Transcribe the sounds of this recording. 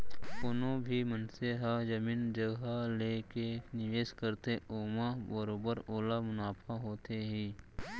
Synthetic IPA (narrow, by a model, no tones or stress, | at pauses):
konõbʱimənseɦad͡ʒəmiːnd͡ʒəɡaleːkenɪʋeːskəɾt̪eoːmabəɾoːbəɾoːlamʊnaːpʰaɦoːt̪eɦiː